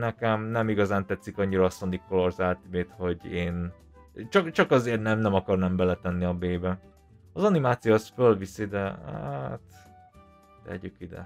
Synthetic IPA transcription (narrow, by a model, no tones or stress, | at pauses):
nɛkɛmnɛmiɡɒzaːnt̪ɛt̪sikɒɲːiɾɒɒsond̪ikʰːolorzaːlt̪ibeːt̪ho̞ɟeːn | t͡ʃɒkt͡ʃɒkɒzeːrt̪nɛmnɛmɒkɒrnɛmbɛlɛt̪ɛnːiɒbeːbɛ | ɒzɒnimaːt̪sijosfølvisid̪ɛat̪ | t̪ɛ̰ɟykid̪ɛ̰